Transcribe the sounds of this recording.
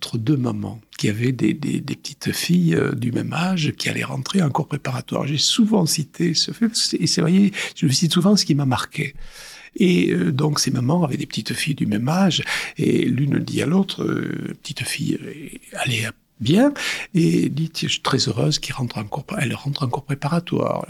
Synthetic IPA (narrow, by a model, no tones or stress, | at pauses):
ɑ̃t̪χəd̪ømamɑ̰̃kʲiavɛd̪ḛd̪ḛd̪epə̥t̪ʰi̥t̪fijød̪ymɛmaʒkʲia̰lɛ̰ʁɑ̰̃t̪χeɑ̃kɔʁpχepaʁat̪wa̰ʁʒesuvɑ̃sit̪ʰesəfɛpːsɛvwajɛʒ̥əməsit̪suvɑ̃sə̥kʲimamaʁkʰe | eød̪ɔ̃ksɛmamɑ̃avɛd̪epət̪it̪fijd̪ymɛmaʒḛlynəd̪ḭa̰lot̪χə̰pə̥t̪i̥t̪fijalɛ | bjɛ̃ed̪it̪jɛ̃ʃi̥t̪χɛzøʁøzkʲiʁɑ̃t̪χɑ̃kɔʁɛlʁɑ̃t̪χɑ̃kɔʁpχepaʁat̪wa̰ːʁ